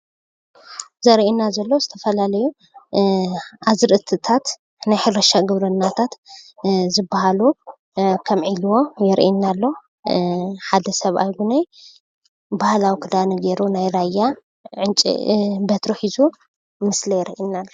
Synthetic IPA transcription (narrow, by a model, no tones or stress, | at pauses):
zɐɾʔinazɐlːozɨt̪ʰɐfɐlalɐju | ʔazɨɾʔɨt̪ʰɨt̪ʰat̪ | najħɨɾɐʃaɡɨβɾɨnːat̪ʰat̪ | zɨbahalu | kʰɐmʕilwo̞jɛɾʔḭnːalːo | ħad̪ɐsɐβa̰jɡunej | bahlawikʰɨd̪anɐɡeɾunajɾajːa | ʕɨnt͡ʃʼḭbɐt̪ɾuħizu | mɨslɐjɛɾʔinalːo